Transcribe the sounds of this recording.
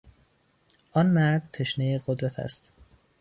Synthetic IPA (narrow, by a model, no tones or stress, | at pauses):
ʔɒnmæɾd̪̚t̪ʰeʃnejeɡod̪ɾæt̪ʰæ̰st̪